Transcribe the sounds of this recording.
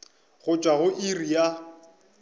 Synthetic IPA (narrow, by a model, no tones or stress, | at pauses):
ɣʊt͡ʃʼwaɣʊʔirija